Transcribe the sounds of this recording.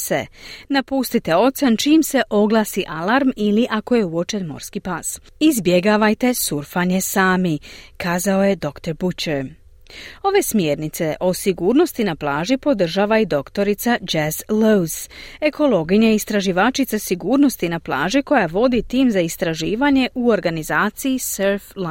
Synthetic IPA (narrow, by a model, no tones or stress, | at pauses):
se̞̰napuːst̪it̪e̞o̞t̪sant͡ʃiːmse̞ʔo̞ɡlˠaːsiʔalaɾmiliʔako̞je̞uo̞t͡ʃe̞nmo̞̰ɾskipas | izbjeɡaːʋajt̪e̞suɾfaɲe̞saːmikaːzao̞je̞d̪o̞kt̪o̞ɾbut͡ɕɛɾ | o̞ʋe̞smje̞ːɾnit̪se̞ʔo̞siɡuːɾno̞st̪inaplˠaːʒipo̞d̪r̩ʒaːʋaid̪o̞kt̪o̞ɾit̪sad͡ʒezlowze̞ko̞lo̞ːɡiɲaist̪ɾaʒiʋaːt͡ʃit̪sasiɡuːɾno̞st̪inaplˠa̰ːʒiko̞jaʋo̞d̪it̪iːmzaist̪ɾaʒiːʋaɲe̞ʔuo̞ɾɡanizaːt̪sijiseɾfla